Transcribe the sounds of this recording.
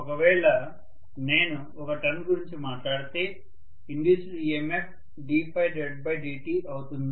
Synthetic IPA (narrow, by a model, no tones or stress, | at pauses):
ɔkɐʋɛːɭɐ | ne̞ːnu | ɔkɐʈɐnɡuɾiɲt͡ʃimaːʈlaːɽit̪e̞ː | iɳɖusɾiemep̚ | ɖiːpʰɐjʈeɖ̚bɐjɖiːʈiːʔɐwut̪und̪i